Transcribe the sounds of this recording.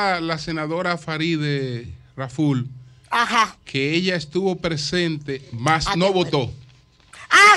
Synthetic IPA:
lase̞naðo̞ɾafaɾiðeraful | ahakʰe̞eʝaest̪uβo̞pɾe̞se̞nt̪e̞masnoβot̪o̞ | a

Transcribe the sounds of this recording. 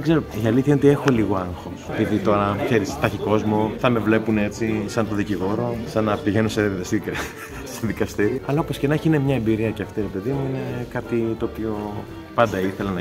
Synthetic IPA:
ɡze̞ɾoiɐliθçɐno̞t̪ie̞xo̞liɣo̞ɐŋxo̞sepiðit̪o̞ɾɐkse̞ɾist̪ɐçiko̞zmoθɐme̞vle̞pune̞t͡sisɐnt̪o̞ðiciɣo̞ɾo̞sɐnɐpiʝe̞nusesi | seðikɐst̪iɾioɐlɐo̞po̞scenɐeçiinemɲɐe̞mbiɾiɐceɐft̪iɾepe̞ðimuine̞kɐt̪it̪oːpio | pɐnd̪ɐiθelɐnɐ

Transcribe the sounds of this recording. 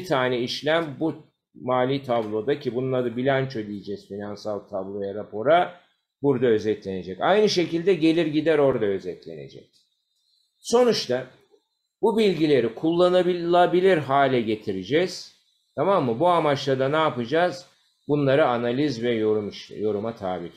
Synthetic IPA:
it̪ʰaːnɛiʃlʲæmbu | maːlʲiːt̪ʰablˠo̞d̪acʰibunlˠaɾɯbilʲant͡ʃʰod̪ijid͡ʒɛz̥finansalˠt̪ʰablˠojaɾapo̞ɾa | buɾd̪aø̞zɛt̪lʲe̞ne̞d͡ʒɛcajnɯʃe̞cilʲd̪ɛɟe̞lʲiɾɟid̪æɾo̞ɾd̪aø̞zɛt̪lʲe̞̰ne̞̰d͡ʒɛ̰c̚ | so̞nut͡ʃt̪ʰa | bubilʲɟilʲe̞ɾikʰulˠːanabilˠabilʲiɾɦaːlʲɛɟe̞t̪ʰiɾid͡ʒɛz̥ | t̪ʰamamːɯbuamat͡ʃlˠad̪anaːpɯd͡ʒaz̥ | bunlˠaɾɯanalʲizvɛjoɾmʃjo̞ɾumat̪ʰaːbi

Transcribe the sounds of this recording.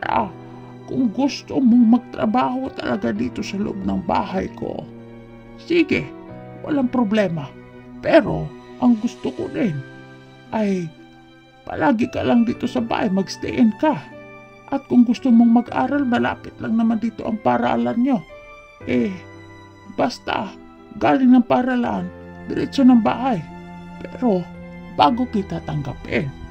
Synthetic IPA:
a̰ʔa | kʊŋɡʊst̪omoŋmɐɡ̚t̪ɾa̰baːɦot̪ɐlɐɡad̪iːt̪o̞sɐlʊ̰ʔob̚nɐŋba̰ːɦajko̰ʔ | siːɡɪwa̰laŋpɾoblɛːmapɛɾoʔɐŋɡʊst̪okod̪ɪn | ʔaj | pɐ̰lʔaːɡɪkalaŋd̪iːt̪osɐba̰ːhajmɐɡst̪ɛ̰ʔɛnka | ʔɐt̪̚kʊŋɡʊst̪omoŋmɐɡʔa̰ːɾalmɐla̰ːpɪt̪laŋnɐmand̪iːt̪oʔɐŋpaɾa̰ʔa̰lanɲo | ʔɛ | bast̪a̰ | ɡaːlɪŋnɐŋpaɾala̰ʔnbɪɾɛ̰sonɐŋba̰ːhajpɛɾobaːɡokit̪at̪ɐŋɡa̰pɪn

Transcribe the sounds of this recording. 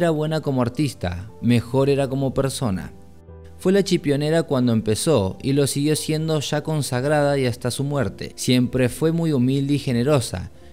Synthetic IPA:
ɾaβwe̞nako̞moaɾt̪ist̪a̰me̞xo̞ɾe̞ɾako̞mo̞pe̞ɾso̞na̰ | fwe̞lat͡ʃipjo̞ne̞ɾakwand̪o̞e̞mpe̞so̞ilo̞siɣjo̞sje̞nd̪o̞ʝako̞nsaɣ̞ɾað̞aiast̪asumwe̞ɾt̪e̞̰sje̞mpɾe̞fwe̞mujumild̪eixe̞ne̞ɾo̞sa̰

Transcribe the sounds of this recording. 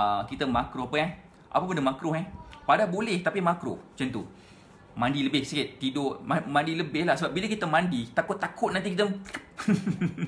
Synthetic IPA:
əkit̪əmakɾʊhapəan | ʔa̰pəpəndəmakɾʊhɛpadabolɛht̪apimakɾʊ̰ht͡ʃənt̪ṵ | mãndiləbɪhsikɪt̪t̪idoʔmamãndiləbɪhlahsəbap̚biləkit̪əmãndit̪akʊt̪ːakʊt̪̚nant̪̬ikit̪ə

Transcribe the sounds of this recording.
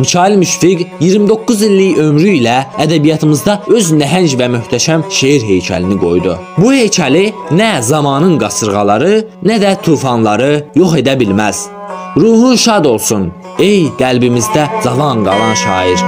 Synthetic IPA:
mit͡ʃʰɑːilmyʃfiɡjiɾmid̪o̞kːuzilːijø̞mɾyilæːd̪æbijɑt̪ʰɯmɯzd̪ɑø̞znæɦænd͡ʒvæmyçt̪ʰæʃæmʃejiɾɦe̞jcʰæ̰liniɡo̞̰jd̪u | buhe̞jcʰælinæzɑmɑːnɯnɡɑsɯɾɣɑlˠɑɾɯnæd̪æt̪ʰuːfɑnlˠɑɾɯjo̞χe̞d̪æbilmæz̥ | ɾuːhunʃɑd̪o̞lˠsun | e̞jɡ̥ælbimizd̪æzɑvɑnɡɑ̰lˠɑnʃɑ̰ːiɾ

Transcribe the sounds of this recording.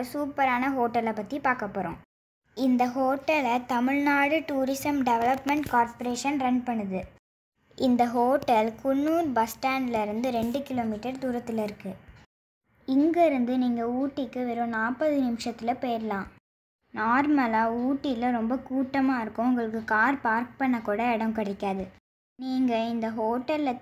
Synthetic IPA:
suːpɐɾaːnɐɦoːʈːɐlɐpːɐt̪ːipaːkɐpːɔɾõ̰ː | ɪnd̪ɐɦoːʈːɐlɐt̪ɐmɪɻnaːɽɯʈuːɾɪsɐmɖɛʋɐlɐpmɛɳʈkaːɾpɐɾeːʂɐnɾɐnpɐɳːɯðɯ | ɪnd̪ɐɦoːʈːɐlkʊɳːuːɾbɐsʈaːnɖlɐɪɾɯnd̪ɯɾɛɳɖɯkɪloːmiːʈːɐɾd̪uːɾɐt̪ːɪlɐɪɾɯkːɯ | ɪŋɡɐɪɾɯnd̪ɯniːŋɡɐuːʈːɪkːɯʋeːɾõːnaːpːɐðɯnɪmɪʂɐt̪ːɪlɐpeːɾlãː | naːɾmɐlaːuːʈːɪlɐɾɔmbɐkuːʈːɐmaːɪɾɯkːʊ̃ʊŋɡɐɭɯkːɯkaːɾpaːɾk̚pɐɳːɐkːuːɽɐɛɽɐmkɐɽɪkːaːðɯ | niːŋɡɐɪnd̪ɐɦoːʈːɐlː

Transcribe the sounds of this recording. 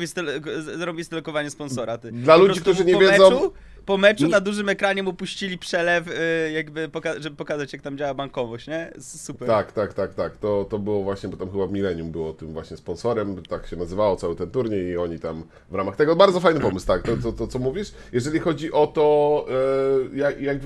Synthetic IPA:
ist̪ɛlzɾɔbʲjist̪ɛlɔkɔvaɲɛspɔnsɔɾat̪d̪lalud͡ʑikt̪uʐɨɲɛvjɛzɔ̃wu | pɔmɛt͡ʂunad̪uʐɘmɛkɾaɲɛmupuɕt͡ɕilʲipʂɛlɛfjaɡbɘpɔkaʐɛbɘpɔkazat͡ɕjak̚t̪amd͡ʑawabaŋkɔvɔɕt͡ɕɲɛsupɛɾt̪akt̪akt̪akt̪akt̪ɔt̪ɔbɘwɔvwaɕɲɛbɔt̪amxɘbamʲilɛɲumbɘwɔt̪ɨmvwaɕɲɛspɔnsɔɾɛmt̪akɕɛnazɘvawɔt̪sawɘt̪ɛnt̪uɾɲɛiɔɲit̪am | vɾamaxt̪ɛɡɔbaɾd̪zɔfajnɘpɔmɘst̪ak̚t̪ɔt̪ɔt̪ɔt̪sɔmuvʲiʂ | jɛʐɛlʲixɔd͡ʑiʔɔt̪ɔ | jakjaɡb

